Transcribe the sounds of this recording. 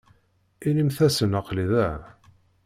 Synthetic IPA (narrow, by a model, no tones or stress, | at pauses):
inimθæsənəqliðæ